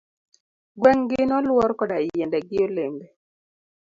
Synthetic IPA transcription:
ɡwɛŋɡɪnɔlwɔɾkɔdaɪjjɛndɛɡɪoleŋɡe

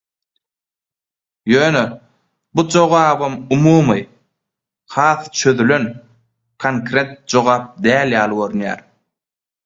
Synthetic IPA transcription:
jøːnø | bud͡ʒo̞ʁɑːβɯmumuːmɯ | hɑːθt͡ʃʰø̞ðylø̞n | kʰoŋkɾʲe̞t̪̚d͡ʒo̞ʁɑːp̚d̪æːljɑːlˠɯɡo̞ɾynjæ̰ːɾ

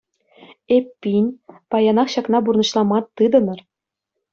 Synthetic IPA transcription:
epʲːinʲpɑjɑnɑχɕɑknɑburnɤ̆ɕlˠɑmɑt̪ːɯd̪ɤ̆nɤ̆r

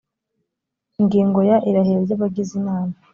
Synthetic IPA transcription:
iŋɡiːŋɡo̞jaʔiɾaɦeɾjaβaɡizimaːna

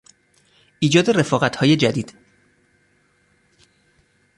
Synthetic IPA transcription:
ʔiːd͡ʒɒːd̪ere̞fɒːɣæt̪ʰhɒːje̞d͡ʒæd̪iːd̪̥

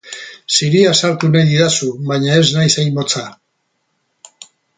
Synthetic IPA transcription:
siɾiasaɾt̪unajiðasuβaɲae̞znajsajmot͡sa

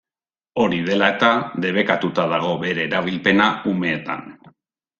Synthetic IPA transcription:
o̞ɾiðe̞lae̞t̪aðe̞β̞e̞kat̪ut̪aðaɣ̞o̞βe̞ɾe̞ːɾaβ̞ilpe̞naume̞ːt̪a̰n

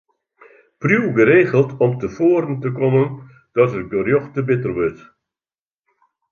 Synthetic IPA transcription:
prjuwɡəɾeːχəlˠtɔmtəfoːɾəntəkɔmən | d̥ɔtərɡərjɔxtəbɪtərʋøt

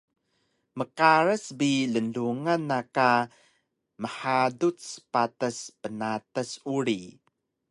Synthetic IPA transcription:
məkaɾəsbilənduŋanːaka | məħadut͡ssə̥patəspənatəsuɾi

